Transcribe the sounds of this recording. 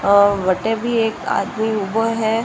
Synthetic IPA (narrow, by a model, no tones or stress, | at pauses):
ʋɐʈebʱieːka̰ːd̪miʊbəɦɛː